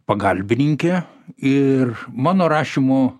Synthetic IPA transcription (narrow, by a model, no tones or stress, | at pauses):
pɐɡɐlʲbʲɪnʲɪŋʲkʲe | ɪrmɑːnoːɾɑːʃʲimʊ